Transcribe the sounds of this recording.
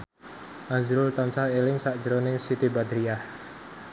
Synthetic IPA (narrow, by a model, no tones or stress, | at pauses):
ʔazɾʊlt̪ansahelɪŋsaʔd͡ʒəɾonɪŋsit̪ibad̪ɾiah